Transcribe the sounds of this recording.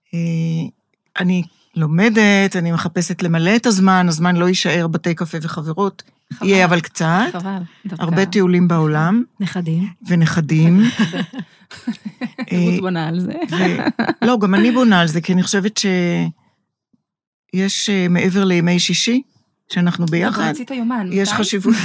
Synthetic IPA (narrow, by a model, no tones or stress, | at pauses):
e | ʔani | lo̞me̞detanime̞χape̞setle̞male̞ːtazmanazmanlo̞jiʃae̞ʁbate̞jkafe̞ve̞χaveʁot | ijeavalkt͡satvha̰ʁbe̞teulimbao̞lamneadive̞neχadim | ʔbonalzevelo̞ɡamanibo̞naːlze̞kianiχoʃe̞vetʃe̞ | jeʃeme̞ʔe̞ve̞ʁlejemejʃiʃi | ʃeanaχnubejaχad̪itajomanjeʃʃχaʃivu